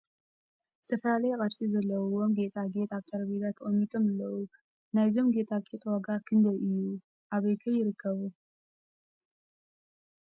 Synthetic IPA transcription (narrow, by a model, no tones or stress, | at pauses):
z̥ɨt̪ʰɐfɐlalɐjɛkʼɐɾsizɐlːɐwomɡe̞t̪ʼaɡe̞t̪ʼaβt̪ʰɐɾɐbet̪ʰat̪ʰːɨχʼɐmːit̪ʼomɨlːɐwu | najzo̞mɡe̞t̪ʼakʼet̪ʼwaɡakʰɨnd̪ɐʔɨjːu | ʔaβɐjk̪ʰɐjɪɾɨkʰːɐβu